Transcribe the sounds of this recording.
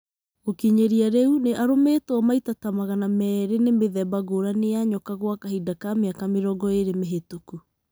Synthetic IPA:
okiɲeɾiaɾeuneʔaɾometɔmaitatamaɣanamɛːɾenemeðɛbaɣoɾaneaɲɔkaɣwakaɦidakameakameɾɔɡɔeɾemeɦetuku

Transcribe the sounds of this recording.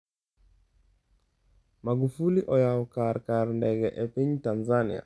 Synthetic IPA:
maɡufuliʔɔjaɔkaɾkaɾndɛɡɛʔɛpiɲtanzanḭa̰

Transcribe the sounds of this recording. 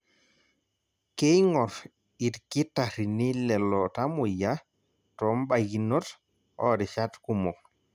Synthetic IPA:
kejŋɔɾ | itkitaɾinilɛlɔtamuja | tɔmbaɡinɔt | ɔɾiʃatkumɔ

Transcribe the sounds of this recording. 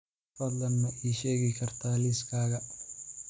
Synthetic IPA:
fɐd̪lɐnːɐʔiːʃeːɣɪkʰɐrt̪ʰaːliskʰaːɣɐ

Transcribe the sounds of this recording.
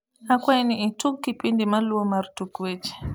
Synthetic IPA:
hakwajniitukkːipindimaluɔmaɾtukwet͡ʃɛ̥

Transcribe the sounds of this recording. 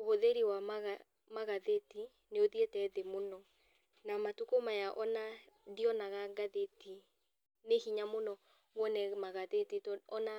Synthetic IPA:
ohoðeɾiwamaɣa | maɣaðeti | neoðietɛːðemonɔ | namatukomajaʔɔnadiɔnaɣaɡaðeti | nehiɲamonɔ | ŋɔnɛmaɣaðetitɔɔna

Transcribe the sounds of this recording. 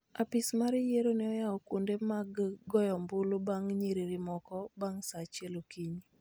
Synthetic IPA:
apɪsmaɾɪjeɾonɛɔjaɔkondemaɡɡɔjɔmbʊlobaŋɲeɾiɾɪmɔkɔbaŋsat͡ʃelokiɲ

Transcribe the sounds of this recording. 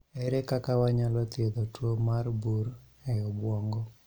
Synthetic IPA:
ɛɾɛkakawaɲalɔt̪ɪed̪ɔtwomarbuɾ | ɛɔbwɔŋɡɔ

